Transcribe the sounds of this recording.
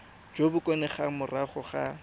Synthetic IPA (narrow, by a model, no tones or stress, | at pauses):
d͡ʒobʊkʼɔnɛχamʊraχʊχa